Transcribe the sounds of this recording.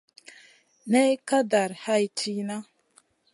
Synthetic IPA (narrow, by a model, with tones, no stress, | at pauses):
ne˦jka˦da˨ɾha˦jtʰi˦na˦